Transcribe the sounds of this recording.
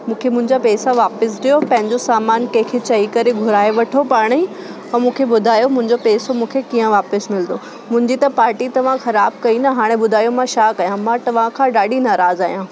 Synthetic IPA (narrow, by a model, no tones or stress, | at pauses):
mũːkʰemʊ̃ɦɪ̃ɲd͡ʑapɛːsaʋaːpɪs̬ɗijopɐ̃ɦɪ̃ɲd͡ʑosaːmaːnkɐ̃ɦɪ̃kʰet͡ɕɐikɐɾeɡʱʊɾaːeʋɐʈʰopaːɽ̃ĩ | ɐ̃mũːkʰebʊd̪ʱaːjomʊ̃ɦɪ̃ɲd͡ʑopɛːsomũːkʰekiːə̃ʋaːpɪsmɪld̪o | mʊ̃ɦɪ̃ɲd͡ʑit̪ɐpaːɾʈit̪ɐʋ̤ãxɐɾaːb̚kɐinɐɦaːɽ̃ẽbʊd̪ʱaːijomãʃaːkɐjãmãt̪ɐʋ̤ãkʰãɗaːɗinaːɾaːzaːɦijã